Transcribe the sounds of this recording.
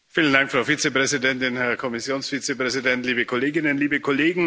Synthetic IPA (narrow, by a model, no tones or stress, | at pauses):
fiːləndaŋkfʁ̥aʊfiːt͡sepʁ̥ɛzidɛntɪnhɛɐkʰɔmɪsjoːnsfiːt͡sepʁ̥ɛzidɛntliːbəkʰɔleːɡɪnənliːbəkʰɔleːɡŋ̩